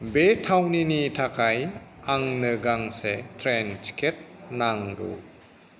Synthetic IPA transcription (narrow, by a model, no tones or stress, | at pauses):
betʰawninitʰakʰajaŋnɯɡaŋsetʰɾent͡ʃi̥kʰet̚naŋɾṵ